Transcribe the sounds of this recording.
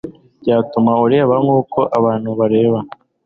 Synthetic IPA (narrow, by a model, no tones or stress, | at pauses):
ɟaːtumauɾeːβaŋuːko̞ʔaβaːn̥huβaɾe̞ːβa